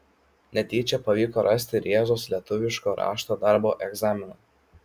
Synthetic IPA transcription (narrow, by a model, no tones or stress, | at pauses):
nʲɛt̪ʲiːt͡ʃʲɛpɐʋʲiːkoːɾʔɐsʲt̪ʲɪɾʲeːzoːslʲiɛt̪ʊʋʲɪʃkoːɾʔɑ̰ːʃt̪oːd̪ɑˑɾboːʔɛɡzɑːmʲɪnoː